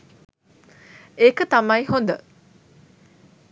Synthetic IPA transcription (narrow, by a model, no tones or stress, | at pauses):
ekət̪ɐmɐjɦond̪ə